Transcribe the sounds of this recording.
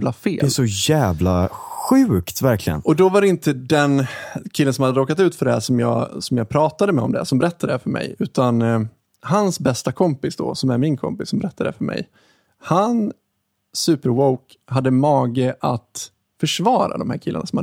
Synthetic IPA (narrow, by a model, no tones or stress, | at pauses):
vlafḛːlɛsɔjæːvlaɧʉ̟ːkt̪væɾkʰlɪɡə̰nɔd̪ɔvaɾɛɪnt̪əd̪ɛnkʰɪlːənsɔmhad̪əoːkat̪ʉ̟ːt̪fœɖɛhæʂɔmjɑ̰ːsɔmjɑːɡpʰɾɑːt̪ad̪əmɛɔ̰md̪ɛ̰sɔmbɛɾɛt̪ːad̪ɛæfœɾmɛ̰jʉ̟ːt̪an | hansbɛst̪akʰɔmpɪsd̪ɔ̰sɔmæɾmɪnkʰɔ̰mpɪsːɔmbɛɾɛt̪ːad̪ɛ̰fœɾmɛ̰j | han | sʉ̟ːpəɾwɔwk | ɦad̪ːəmɑːɡəʔat̪ | fœʂvɑːɾa̰d̪ɔmhæːɾkʰɪlːa̰nʔasɔmha